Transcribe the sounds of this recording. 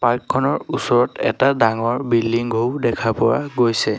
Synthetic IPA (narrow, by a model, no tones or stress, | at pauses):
paɹkʰːɔnɔɹusɔɹɔtɛ̰tadaŋɔɹbilːiŋɡʱoʊdɛkʰapɔwa̰ɡojsɛ